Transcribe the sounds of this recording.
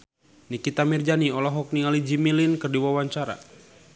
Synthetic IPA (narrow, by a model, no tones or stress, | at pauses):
nikit̪amird͡ʒaniɔlɔɦɔk̚niŋalid͡ʒimilinkərdiwawaɲt͡ʃaɾa̰